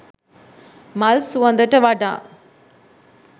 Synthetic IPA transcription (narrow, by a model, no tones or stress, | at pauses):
mɐlsuʋɐ̃nd̪əʈəʋɐɖã̰ː